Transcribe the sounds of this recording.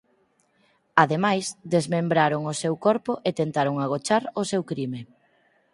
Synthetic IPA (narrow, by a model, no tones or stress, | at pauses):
aðemajsd̪ezmembɾaɾoŋʊsewkɔɾpʊʔet̪ent̪aɾoŋaɣ̞ot͡ʃaɾʊsewkɾime